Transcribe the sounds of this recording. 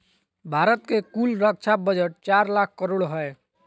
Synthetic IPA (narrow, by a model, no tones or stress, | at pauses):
bʱaɾət̪kekulɾək̚t͡ʃʰabəd͡ʒəʈ̚t͡ʃaɾlakʰkəɾoɽɦəj